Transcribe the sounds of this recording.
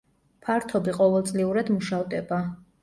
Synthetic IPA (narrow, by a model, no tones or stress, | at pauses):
pʰaɾt̪ʰɔbiqʼɔvɛlˠt̪sʼliuɾad̪muʃavd̪ɛba